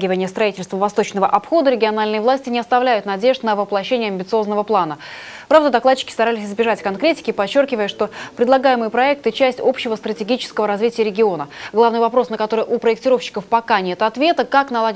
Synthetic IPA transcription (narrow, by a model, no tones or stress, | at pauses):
ɡʲɪvənʲɪjəst̪ɾɐitʲɪlʲst̪vəvɐst̪o̞t͡ɕnəvəʔɐpxo̞d̪əɾʲɪɡʲɪɐnalʲnɨjəvlˠasʲtʲɪnʲɪɐst̪ɐvlʲæjʊt̪nɐdʲe̞ʐt̪nəvɨplˠɐɕːenʲɪjəɐmʲbʲɪt̪sɨo̞znəvəplˠanə | pɾavd̪əd̪ɐklat̚t͡ɕːɪ̥kʲɪ̥st̪ɐɾalʲɪsʲɪzbʲɪʐatʲkɐnkɾʲetʲɪ̥kʲɪpɐt͡ɕːo̞rkʲɪvəjəʂt̪o̞pɾʲɪd̪lˠɐɡajɪmɨjəpɾɐɛk̚t̪ɨt͡ɕæsʲtʲo̞pɕːɪvəst̪ɾətʲɪɡʲit͡ɕɪ̥skəvəɾɐzvʲitʲɪjəɾʲɪɡʲɪo̞nəɡlˠavnɨjvɐpɾo̞snəkɐt̪o̞ɾɨjʔʊpɾəɪk̚tʲɪɾo̞fɕːɪ̥kəfpɐkanʲe̞t̪ɐt̪vʲe̞t̪əkaknɐlˠa